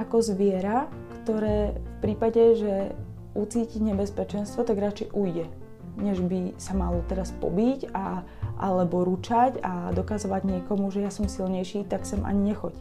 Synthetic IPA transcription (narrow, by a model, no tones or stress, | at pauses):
akɔzʋɪɛɾa | kt̪ɔɾɛːfpɾiːpaɟɛʒɛ | ʔut͡siːciɲɛbɛspɛt͡ʃɛnst̪ʋɔt̪aɡɾat͡ʃɛjʔujɟɛ | ɲɛʒbisamalɔt̪ɛɾaspɔ̰bica | ʔa̰lɛbɔɾut͡ʃacad̪ɔkazɔʋaɟɲɪɛkɔmuʒɛjasɔmsilɲɛjʃiːt̪aksɛmʔa̰ɲiɲɛxɔc